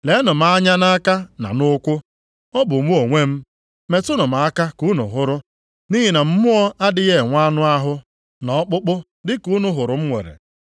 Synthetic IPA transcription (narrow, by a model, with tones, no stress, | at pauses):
le˨˦nʊ˨m̩˦a˦ɲa˦na˦ka˦na̰˨nʊ˦kʷʊ˦ | ɔ˦bʊ˨mu˦o˨ŋʷe˦m̩˦ | me˨tʊ˦nʊ˨ma˨a˦ka˦ku˨˦nʊ̰˨ɦʊ˦ɾʊ˦ | ni˦ɦi˨na˨m̩˦mʊ˦ɔ˦a˦dɪ˦ɣe˦˨ŋʷa˦nʊ˦a˦ɦʊ˦ | nɔ˨˦k͡pʊ˦k͡pʊ˦ | dɪ˦ku˦nʊ˦ɦʊ˨ɾʊ˨m̩˦ŋʷḛ˨ɾḛ˨